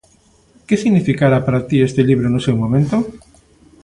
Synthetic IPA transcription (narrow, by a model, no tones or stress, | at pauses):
kesiɣnifikaɾapaɾat̪iest̪eʎiβɾonʊsewmõmẽnt̪o